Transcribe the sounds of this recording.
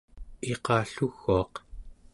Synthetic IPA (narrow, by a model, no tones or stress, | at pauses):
e̞qɑːɬuɣːuɑq